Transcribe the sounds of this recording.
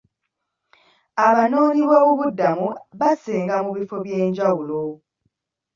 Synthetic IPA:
aβano̞ːniβwaβoβudːamuβaseːŋɡamuβifo̞βje̞ːɲɟawulo̞

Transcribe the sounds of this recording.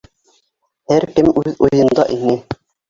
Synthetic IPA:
hæɾkɘmʉðujɤ̆nd̪ɑʔinɘ

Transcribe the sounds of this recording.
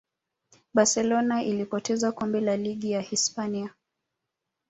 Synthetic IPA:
ɓasɛlɔnaʔilipɔtɛzakɔmbɛlaliɠijahispania

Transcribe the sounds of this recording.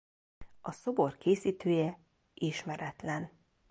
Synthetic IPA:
ɒso̞bo̞rkʰeːsiːt̪øːjɛ | ʔiʃmɛɾɛt̪lɛn

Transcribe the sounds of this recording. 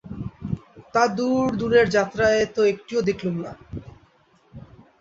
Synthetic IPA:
t̪ad̪uɾd̪uɾeɾd͡ʑat̪ɾaet̪oekʈiod̪ekʰlumna

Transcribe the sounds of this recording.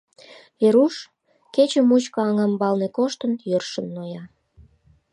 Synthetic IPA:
eɾuʃ | ket͡ɕəmut͡ɕkɤɑŋɑmbɑlnekoʃt̪ənjørʃənːojɑ

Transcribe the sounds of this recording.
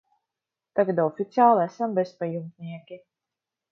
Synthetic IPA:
t̪aɡad̪ɔfit̪siaːlˠæsambespajumt̪niɛkʲi

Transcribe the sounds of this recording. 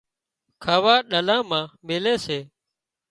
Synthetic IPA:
kʰaːʋaːɗəlãːmãːmeːleːseː

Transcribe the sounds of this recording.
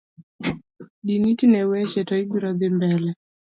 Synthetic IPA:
ɗinikinɛwɛʃɛtaiɓuɾaðɛmbɛlɛ

